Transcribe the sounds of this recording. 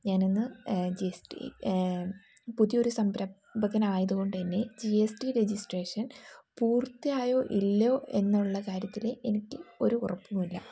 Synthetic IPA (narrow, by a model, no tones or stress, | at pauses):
ɲaːne̞nːɨd͡ʑiesʈḭ | puðijo̞ɾusɐmbɾɐ | bɐɣɐnaːjɐðuɣo̞ɳɖɨðinːed͡ʑiesʈiɾe̞d͡ʑisʈreːʂɐnpuːrt̪ːijaːjo̞ːʔilːo̞ːe̞nːiuɭːɐkaːɾjɐt̪ːileʔenikʲːɨo̞ɾuurɐpːumilːɐ